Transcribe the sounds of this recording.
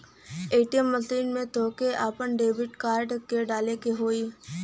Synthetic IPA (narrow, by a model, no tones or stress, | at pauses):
eːʈijəmːəsiːnmẽt̪oːkeʔaːpənɖeːbɪʈkaːɾɖkeɖaːlekeɦoːi